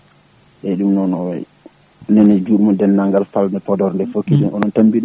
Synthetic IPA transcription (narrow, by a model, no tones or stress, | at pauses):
ʔɛɗumnɔnɔwɛ̰j | nɛnɛd͡ʒuɗmɔdɛnːaŋɡalfalnɛpɔdɔɾndɛfokːidunɔnɔntambin